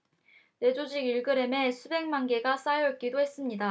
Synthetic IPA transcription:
ne̞d͡ʑod͡ʑiɡiɭɡɯɾe̞me̞sʰube̞ŋmanɡe̞ɡas͈ajʌk͈idoɦe̞s͈ɯmɲida

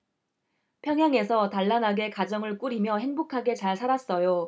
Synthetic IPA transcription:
pʰjʌŋjaŋe̞sʰʌtaɭːanɦaɡe̞kad͡ʑʌŋɯɭk͈uɾimjʌɦe̞ŋbokʰaɡe̞t͡ɕaɭsʰaɾas͈ʌjo

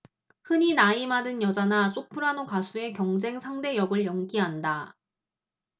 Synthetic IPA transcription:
hɯɲinaimadɯnjʌd͡ʑanasʰopʰɯɾanokasʰue̞kjʌŋd͡ʑe̞ŋsʰaŋde̞jʌɡɯɭjʌŋɡiɦanda

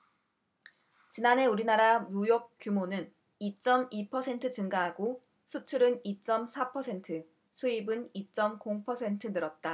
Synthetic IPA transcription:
t͡ɕinanɦe̞uɾinaɾamujok̚k͈jumonɯn | it͡ɕ͈ʌmipʰʌsʰe̞ntʰɯt͡ɕɯŋɡaɦaɡo | sʰut͡ɕʰuɾɯnit͡ɕ͈ʌmsʰapʰʌsʰe̞ntʰɯ | sʰuibɯnit͡ɕ͈ʌmkoŋpʰʌsʰe̞ntʰɯnɯɾʌt̚t͈a

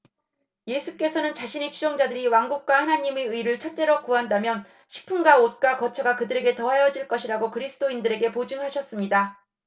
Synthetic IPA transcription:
je̞sʰuk͈e̞sʰʌnɯnt͡ɕaɕʰinet͡ɕʰud͡ʑʌŋd͡ʑadɯɾiwaŋɡuk̚k͈wahanaɲime̞ɯiɾɯɭt͡ɕʰʌt͡ɕ͈e̞ɾʌkuandamjʌn | ɕʰi̥pʰɯnɡaot̚k͈wakʌt͡ɕʰʌɡakɯdɯɾe̞ɡe̞tʌɦajʌd͡ʑiɭk͈ʌɕʰiɾaɡokɯɾisʰɯ̥d͈oindɯɾe̞ɡe̞pod͡ʑɯŋhaɕʰʌs͈ɯmɲida

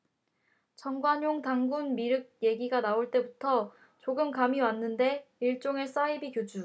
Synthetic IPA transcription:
t͡ɕʌŋɡwaɲoŋtaŋɡunmiɾɯɡ̚je̞ɡiɡanaoɭt͈e̞butʰʌ | t͡ɕoɡɯmkamiwanːɯnde̞iɭt͡ɕ͈oŋe̞s͈aibikjod͡ʑu

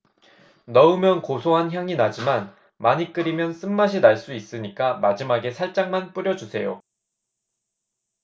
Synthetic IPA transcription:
nʌɯmjʌnkosʰoɦançjaŋinad͡ʑiman | maɲik͈ɯɾimjʌns͈ɯmːaɕ̬ʰinaɭs͈uis͈ɯɲik͈amad͡ʑimaɡe̞sʰaɭt͡ɕ͈aŋmanp͈uɾjʌd͡ʑusʰe̞jo

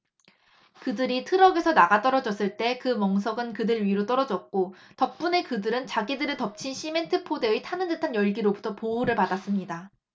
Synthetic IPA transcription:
kɯdɯɾitʰɯɾʌɡe̞sʰʌnaɡat͈ʌɾʌd͡ʑʌs͈ɯɭt͈e̞kɯmʌŋs̬ʰʌɡɯnkɯdɯɭɥiɾot͈ʌɾʌd͡ʑʌk̚k͈otʌk̚p͈une̞kɯdɯɾɯnt͡ɕaɡidɯɾɯɭtʌp̚t͡ɕʰinɕʰime̞ntʰɯpʰode̞itʰanɯndɯtʰanjʌɭɡiɾobutʰʌpouɾɯɭpadas͈ɯmɲida

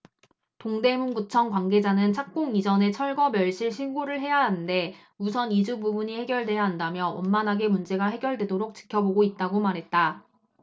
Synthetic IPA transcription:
toŋde̞munɡut͡ɕʰʌŋkwaŋɡe̞d͡ʑanɯnt͡ɕʰak̚k͈oŋid͡ʑʌne̞t͡ɕʰʌɭɡʌmjʌɭɕ͈iɭɕʰinɡoɾɯɭɦe̞jaɦanɯnde̞ | mus̬ʰʌnid͡ʑububuɲihe̞ɡjʌɭdwe̞jaɦandamjʌʌmmːanɦaɡe̞mund͡ʑe̞ɡaɦe̞ɡjʌɭdwe̞doɾok̚t͡ɕ͈i̥kʰjʌboɡoit̚t͈aɡomaɾɦe̞t̚t͈a

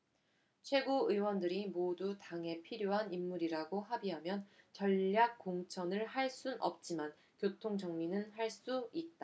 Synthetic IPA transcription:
t͡ɕʰwe̞ɡuɯwʌndɯɾimodutaŋe̞pʰiɾjoɦanimːuɾiɾaɡoɦabiɦamjʌnt͡ɕʌʎːak̚k͈oŋt͡ɕʰʌnɯɭhaɭs͈unʔʌ̰p̚t͡ɕ͈iman | kjotʰoŋd͡ʑʌŋɲinɯnɦaɭs͈uit̚t͈a

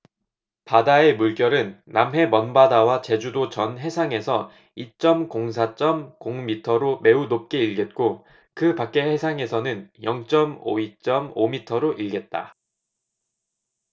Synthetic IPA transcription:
padae̞muɭk͈jʌɾɯnːamɦe̞mʌnbadawat͡ɕe̞d͡ʑudot͡ɕʌnɦe̞sʰaŋe̞sʰʌ | it͡ɕ͈ʌmkoŋs̬ʰat͡ɕ͈ʌmkoŋmitʰʌɾome̞unop̚k͈e̞iɭɡe̞t̚k͈o | kɯpak͈e̞he̞sʰaŋe̞sʰʌnɯnjʌŋt͡ɕ͈ʌmo̰it͡ɕ͈ʌmomitʰʌɾoʔiɭɡe̞t̚t͈a̰

